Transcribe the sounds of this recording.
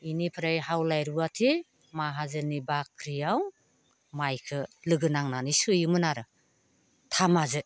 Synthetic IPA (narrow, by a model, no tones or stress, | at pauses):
inipʰɾajɦawlajɾuatʰi | maɦazɯnibakʰɾijaw | majkʰɯlɯɡɯnaŋnanisujɯmɯnaɾɯ | tʰamazɯ